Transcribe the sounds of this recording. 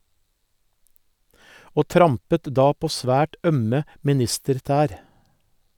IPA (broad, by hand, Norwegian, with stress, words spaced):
ˈoː ˈtɾɑmpət ˈdɑː ˈpoː ˈsʋæːʈ ˈœmə mɪˈnɪstəɾˌtæːɾ